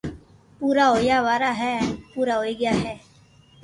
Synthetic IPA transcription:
puːɾaɦoːjaːʋaːɾaːɦɛːpuːɾaːɦoːiːɡɪjaːɦɛː

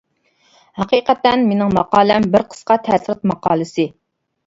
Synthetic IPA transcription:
hɑqiːqæt̪ːɛnmenɪŋmɑqɑːlˠɛmbɪɾqʰə̥sqɑt̪ʰæsɾɨt̪̚mɑqɑːlˠɨsɨ

